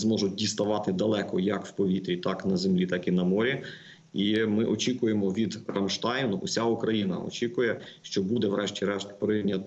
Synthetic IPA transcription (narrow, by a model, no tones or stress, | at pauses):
zmɔʒʊt̚ʲdʲist̪ɐʋɑt̪ɪd̪ɐlˠɛkɔjɐkwpɔʋʲit̪ɾʲit̪ɑknɐzemlʲit̪ɑkinɐmɔɾʲi | imɪʔɔt͡ʃʲikʊjemɔʋʲid̪rɐmʃt̪ɑjnʊʔʊsʲaukɾɐjinɐ̰ɔ̰t͡ʃʲikʊjɛʃt͡ʃɔbud̪ɛwɾɛʃtʲiɾɛʃpɾɪnʲɐt̪